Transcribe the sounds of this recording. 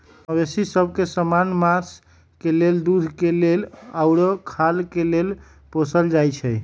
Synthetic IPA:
əbesisəbʱkesəmanmas | keleld̪ud̪ʱkelelaʊɾəkʰalkelel | posəld͡ʒajt͡ʃʰɛj

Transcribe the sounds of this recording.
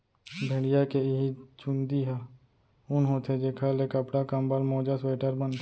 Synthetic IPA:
bʱeːɽɪjakeɪɦit͡ʃʊ̃nd̪iɦɛː | ʊnɦoːt̪ʰed͡ʒekʰaːlekəpɽakəmbəlmoːd͡ʒəsweːʈəɾbən

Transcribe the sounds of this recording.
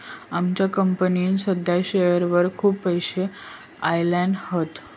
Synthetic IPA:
amt͡ɕjakəmpəninsəd̪ʱjaɕejəɾʋəɾkʰuːpːəjɕe | ajlãɳɖhot̪

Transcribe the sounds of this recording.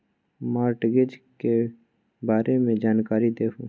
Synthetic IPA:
maːɾʈɡɪd͡ʒke | baːɾemẽd͡ʒaːnkaːɾid̪eːku

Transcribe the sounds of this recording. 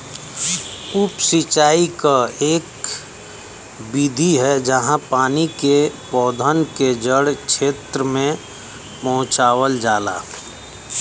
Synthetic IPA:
ʊpsit͡ʃaːikaeːk | bid̪ʱiɦɛd͡ʒəɦãpaːnikepɔːd̪ʱənked͡ʒəɽkt͡ʃʰeːt̪ɾəmẽ | pɔ̃ɦʊ̃t͡ʃaːwəld͡ʒaːla̰ː

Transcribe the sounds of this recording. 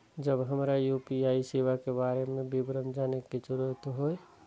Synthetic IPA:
d͡ʒəbɦəmɾajuːpiaːiseːʋakebaːɾemẽbibɾəmd͡ʒaːneket͡ʃʊɾuət̪ɦoːe

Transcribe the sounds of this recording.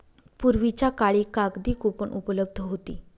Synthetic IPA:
puɾʋit͡ɕjakaɭiːkaɡd̪iːkupəɳʔupələb̚d̪ʱəɦot̪ḭː

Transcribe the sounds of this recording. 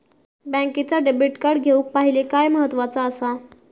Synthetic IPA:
bɛ̃ket͡saɖebiʈkaɾɽɡʱeuːk̚paɦilekajməɦət̪ːʋat͡saəsa

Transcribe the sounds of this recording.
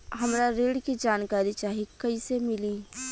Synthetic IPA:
ɦɐmɾaɾeːɽkid͡ʒaːnkaːɾit͡ʃaːɦikəisemɪliː

